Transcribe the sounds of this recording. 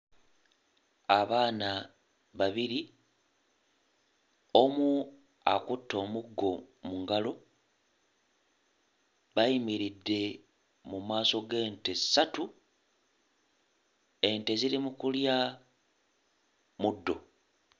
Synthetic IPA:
aβaːna | βaβiɾi | o̞mu | a̰kutːo̞ːmuɡːo̞muŋɡalo̞ | βajimiɾidːe̞ | mumaːso̞ɡe̞ːntesːatu | e̞nte̞ziɾimukulja | mudːo̞̰

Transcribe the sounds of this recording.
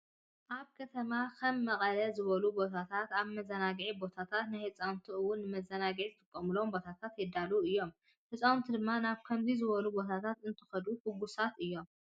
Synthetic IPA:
ʔaβkʰɐt̪ʰɐmakʰɐmːɐχʼɐlɐzɨβɐlubo̞t̪ʰat̪ʰat̪aβmɐzɐnaɡʕibo̞t̪ʰat̪ʰat̪najhɨt͡sʼawnt̪ʰiɨwʊnːɨmɐzɐnaɡʕizɨt̪ʼɨkʼːɐmɨlombo̞t̪ʰat̪ʰat̪jɛd̪aluɨjːo̞m | hɨt͡sʼawnt̪ʰid̪ɨmːanaβkʰɐmzizɨβɐlubo̞t̪ʰat̪ʰat̪ɨnt̪ʰɨ̥xɐd̪uhuɡusat̪ɨjːo̞m

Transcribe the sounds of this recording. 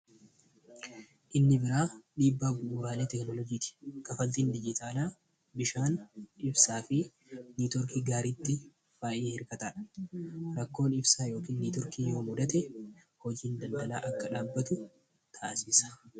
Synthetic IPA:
ʔɪnːɪbɪɾaːᶑiːbːaːɡʊuːɾaːle̞ːt̪ɛknɔlɔd͡ʒiːt̪ɪ̥kɐfɐnt̪iːnd̪ɪd͡ʒɪt̪ʰaːlaː | bɪʃaːnɪbsaːfɪ | niːt̪ɔɾkiːɡaːɾit̪ːɪ | faːʔɪhɪɾkɐt̪aːᶑɐ̥ɾɐkːo̞ːnɪbsaːjo̞ːkiːnːiːt̪ɔɾkiːjo̞ːmʊd̪ɐt̪ɛ | hɔd͡ʒiːnd̪ɐnd̪ɐla̰ːʔɐkːɐᶑaːbːɐt̪ʊ | t̪ʰaːʔsiːsɐ̥

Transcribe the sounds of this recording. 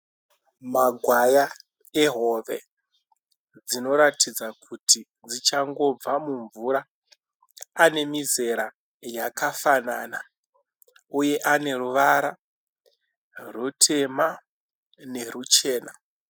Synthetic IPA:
maɡʱwaja | eɦo̞ʋe̞̰ | d͡zino̞ɾatid͡zakʰutʰi | d͡zit͡ʃaŋɡo̞b͡vamuɱvuɾa | ne̞mize̞ɾa | jakafanaːna | uje̞ʔane̞ruʋaɾa | rutʰe̞ma | ne̞rut͡ʃe̞ːna̰

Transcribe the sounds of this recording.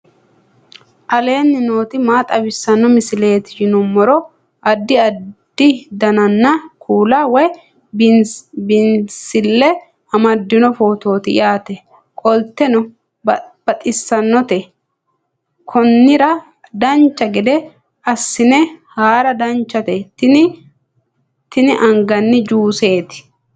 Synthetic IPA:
ʔɐle̞ːnːɪno̞ːt̪ɪmaːt̪ʼɐbɪsːɐnːɔmɪsɪle̞ːt̪ɪd͡ʒɪnʊmːɔɾɔ | ʔɐd̪ːɪɐd̪̥ɪd̪ɐnɐnːɐkʰuːlawɔj | bɪnsɪlːɛ | ɐmɐd̪ːɪnɔfoːt̪o̞ːt̪ɪj̰aːt̪ɛ | kʼɔlt̪ːɛnɔ | bb̥ɐt̪ʼɪsːɐnːɔt̪ɛ | kʰɔnːɪɾɐ | d̪ɐnt͡ʃːɐɡɪd̪ɛ | ɐsːɪnɛhaːɾɐd̪ɐnt͡ʃːɐt̪ɛt̪ɪɪ | t̪ɪnɪʔɐŋɡɐnːɪd͡ʒuːse̞ːt̪ɪ̥

